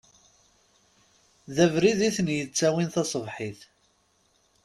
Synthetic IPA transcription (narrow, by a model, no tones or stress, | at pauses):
ðævɾiðiθənjət͡sːæwinθɑsˤəvħiθ